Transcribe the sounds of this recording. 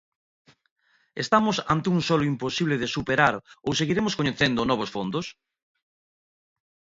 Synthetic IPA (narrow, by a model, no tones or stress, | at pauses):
est̪amʊsa̰nt̪ɪuŋsɔlʊimposiβleðɪsupeɾaɾowseɣiɾemʊskoɲeθend̪ʊnɔβ̞osfond̪os